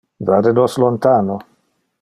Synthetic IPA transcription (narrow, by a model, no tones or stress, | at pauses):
vaɾenɔslont̪aːno